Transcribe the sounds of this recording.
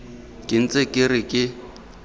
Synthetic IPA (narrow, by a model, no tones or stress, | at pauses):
kʼɪn̩t͡sʼekʼɪrɪkʼɪ